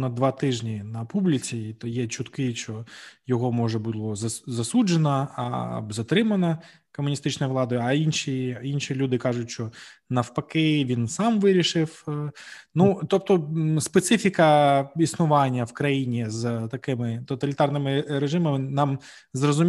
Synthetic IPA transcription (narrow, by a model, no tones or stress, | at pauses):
nɐd̪ʋɑt̪ɪʒnʲinɐpublʲɪt͡sʲit̪ɔjɛt͡ʃʊt̪kɪt͡ʃt͡ʃɔjɔɦɔmɔʒɛbulˠɔzɐzɐsud͡ʒenɐɐ̰bzɐt̪ɾɪmɐnɐ | kɔmʊnʲist̪ɪt͡ʃnɔjʋlˠɑd̪ɔjʊɐinʃiinʃilʲud̪ɪkɑʐʊtʲʃt͡ʃɔnɐwpɐkejʋʲinsɑmʋɪɾʲiʃɪw | nut̪ɔp̚t̪ɔspet̪sɪfʲikɐisnʊʋɑnʲːɐwkɾɐjinʲizt̪ɐkɪmɪt̪ɔt̪ɐlʲɪt̪ɑrnɪmɪɾeʒɪmɐmɪnɑm | zrɔzʊmʲ